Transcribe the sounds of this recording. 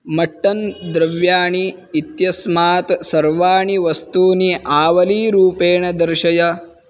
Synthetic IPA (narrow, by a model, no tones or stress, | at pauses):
mɐʈːɐnd̪ɾɐʋjaːɳiː | t̪jɐsmaːt̪sɐɾʋaːɳiʋɐst̪uːniʔaːʋɐliːɾuːpeːɳɐd̪ɐɾʃɐjɐ